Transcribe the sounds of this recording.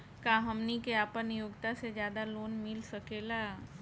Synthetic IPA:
kaɦɐmnikeaːpənjoːɡt̪ased͡ʒjaːd̪aloːnmɪlsɐkeːlaː

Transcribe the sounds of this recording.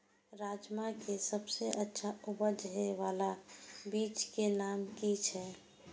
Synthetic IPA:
ɾaːd͡ʒmakesəbseʔətːʃʰaʊbəd͡ʒɦeʋaːlabiːt͡ʃkenaːmkit͡ʃʰɛː

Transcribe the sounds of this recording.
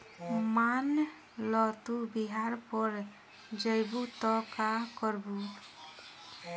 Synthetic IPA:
man | lɔt̪ubiɦaɾpɔɾ | d͡ʒəjbut̪ɔkakɔɾbu

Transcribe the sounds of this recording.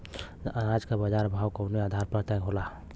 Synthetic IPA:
ad͡ʒkabəd͡ʒaɾbʱawkoʊnead̪ʱaɾpət̪əkɦola

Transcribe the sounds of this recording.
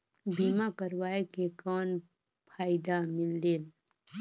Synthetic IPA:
biːmakəɾwaːekekɔːn | pʰaːɪd̪amɪld̪eːl

